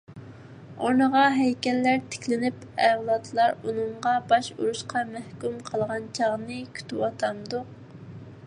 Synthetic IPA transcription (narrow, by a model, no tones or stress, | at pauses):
onəʁɑɦɛjkʲɛlːæɾt̪ʰe̥kʲlɪnɪpɛwlˠɑt̪ʰlˠɑɾunɨɴʁɑbɑʃuɾuʃqʰɑmɛhkʲymqʰəlˠʁɑnt͡ʃʰɑʁnɨkʲʰy̥t̪ʰɪwɑt̪ʰɑmd̪ʊq̚